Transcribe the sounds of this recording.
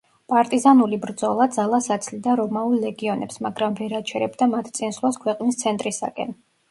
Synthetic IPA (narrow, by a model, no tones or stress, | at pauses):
pʼaɾt̪ʼizanulibɾd̪zɔlˠad̪zalˠasat̪sʰlid̪aɾɔmaulˠːɛɡiɔnɛ̰psmaɡɾamvɛɾat͡ʃʰɛɾɛbd̪amat̪ʰt̪sʼinslˠaskʰwɛqʼnist̪sʰɛnt̪ʼɾisa̰kʼɛ̰n